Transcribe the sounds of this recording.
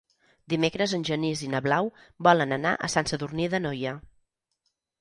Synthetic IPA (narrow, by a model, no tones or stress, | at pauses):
d̪imekɾəzənʲʒənizinəβlawbɔlənəna̰ʔəsansəðurniðənɔjə